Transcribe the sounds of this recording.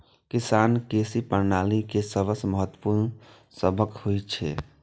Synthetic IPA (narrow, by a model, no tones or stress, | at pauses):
kisankesipəɾnaːlikesəbəsməɦət̪ːwə̥puɾn | səbʱəkhojt͡ʃʰɛ̰